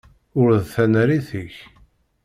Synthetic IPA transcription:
ʊɾðθænɾiθəç

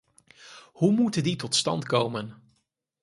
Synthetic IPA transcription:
humutənditɔtstɑ̰ntkowmən

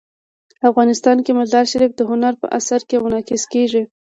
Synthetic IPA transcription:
afɣɑnɪst̪ɑnkemazɑɾʃaɾifd̪əɦʊnaɾpə̰ʔasaɾkemʊnɑkɪskeʒi

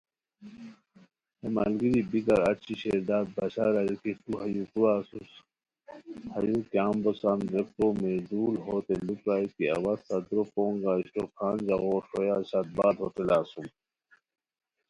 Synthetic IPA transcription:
hema̰lɡiɾibiɡɐɾɐt͡ɕʰiɕeːɾd̪aːd̪̚bɐɕaːɾɐɾikit̪uɦɐjukuɾaːsus | hɐjukjaːmbosanɾek̚ʈoːmed̪uːlɦoːt̪elupɾaːikiɐ̰wat̪ɐd̪ɾopoːŋɡaːiɕʈokʰaːnd͡ʑaɣoːɾʂojaːɕat̪̚baːd̪ʱɦoːt̪elaːsum

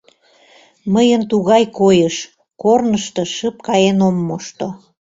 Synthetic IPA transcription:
məjənt̪uɣɑjkojəʃ | kornəʃt̪ɤ̆ʃəp̚kɑjenomːoʃt̪o

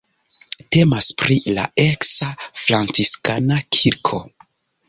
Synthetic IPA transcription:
te̞maspɾila̰e̞ksafɾant͡siskanakʰiɾkʰo̞

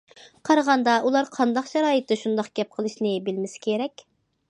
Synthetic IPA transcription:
qʰɑɾʁɑnd̪ɑʔulˠɑɾqʰɑnd̪ɑqʃɑɾɑːjɨt̪ːɨʃund̪ɑqɡʲɛp̚qʰəlˠɨʃnɪbɪlmɪsɪ̥kʲʰeɾɛkʲ

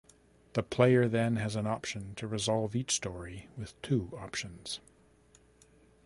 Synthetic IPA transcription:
ðəpʰl̥eɪə˞ðɨ̃nɨzɨ̃nɑpʃɨ̃ntʰɨɹɨzɑlˠvit͡ʃstɔɹiwɨð̥tʰʉɑpʃɨ̃nz̥

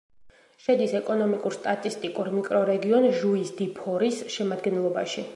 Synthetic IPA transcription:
ʃɛd̪isɛkʼɔnɔmikʼuɾst̪ʼat̪ʼist̪ʼikʼuɾmikʼɾɔɾɛɡiɔnʒuisd̪ipʰɔɾisʃɛmad̪ɡɛnlˠɔbaʃi

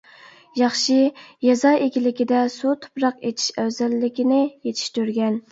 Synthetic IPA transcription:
jɑχʃijɑzɑʔekʲilɪkʲid̪ɛsut̪ʰu̥pɾɑqet̪ʰi̥ʃɛwzɛlːɪkʲinɪjet̪ʰi̥ʃt̪yɾɡʲɛn

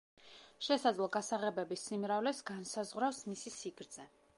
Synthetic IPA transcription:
ʃɛsad̪zlˠɔɡasaʁɛbɛbisimɾavlɛsɡansazʁwɾafsmisisiɡɾd̪z̥ɛ

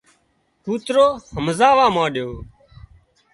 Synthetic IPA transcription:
puːt̪ɾoːhəmzaːʋãːmãːɗjoː

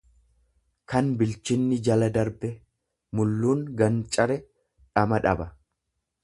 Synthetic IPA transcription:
kɐnbɪlt͡ʃɪnːɪd͡ʒɐlɐd̪ɐɾbɛ | mʊlːuːŋɡɐnt͡ʃʼɐɾɛ | ᶑɐmɐᶑɐbɐ

